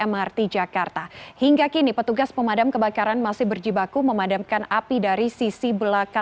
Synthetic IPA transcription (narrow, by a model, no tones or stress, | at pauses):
ɛmart̪id͡ʒakart̪ahiŋɡakinipət̪uɡaspəmadamkəbakaɾanmasɪhbərd͡ʒibakuməmadamkanapidaɾisisibəlaka